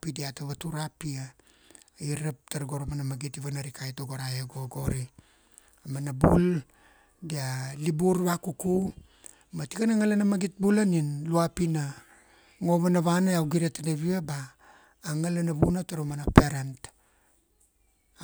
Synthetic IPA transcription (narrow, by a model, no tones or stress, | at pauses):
pidiataβatuɾapia | iɾap̚taɾɡo̞ɾomanamaɡitiβanaɾikʰajtoɡoɾajeɡoɡo̞ɾi | amanabul | dialibuɾβakuku | matikanaŋalanamaɡit̚bulaninluapina | ŋo̞βanaβanaawɡiɾetanaβiabaː | ŋalanaβunataɾomanapeɾant